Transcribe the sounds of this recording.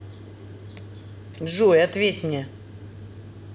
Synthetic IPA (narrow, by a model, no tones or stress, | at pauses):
ʐujɐt̪vʲetʲmnʲe